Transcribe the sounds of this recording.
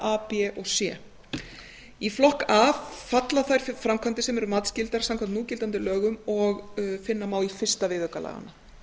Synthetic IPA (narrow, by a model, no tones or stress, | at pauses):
aːpɛʔɔɣsjɛː | iflɔhkavfat̪laθajɾ̥fɾamkʰvant̪ɪsɛmɛɾʏmaːt̪scɪlt̪aɾ̥saŋkʰvant̪uːcɪlt̪ant̪ɪlœːɣʏmɔɣfɪnːamaːwifɪr̥st̪avɪðœkala̰ɣa̰nːa